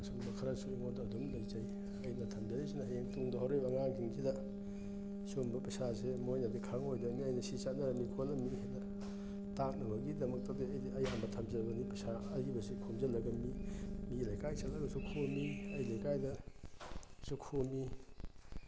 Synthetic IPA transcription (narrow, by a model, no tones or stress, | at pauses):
sumbɐkʰɐɾasuiŋondɐːdumlajzaj | ɐjnɐtʰɐmzɐnisinɐjeŋtuŋdɐɦawɾojbɐŋaŋɡiŋsidɐ | sombɐpɐsasemojnadikʰaŋojdɐmiɐjnɐsisanɐɾɐmikʰolɐmihedɐ | tak̚nɐbɐɡidɐmɐk̚tadeɐjdiɐjambɐtʰɐmzɐbɐnipɐsaɐɾibɐsekʰomzɐlɐɡɐmimilajkajsalaɡɐsukʰomiɐjlajkajdɐ | sukʰomi